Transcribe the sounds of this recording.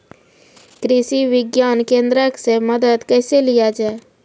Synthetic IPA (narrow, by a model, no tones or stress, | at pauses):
kɾɪʃiʋɪɡjaːnkẽːnd̪ɾəksemɐd̪əd̪kɛːselijad͡ʒaːe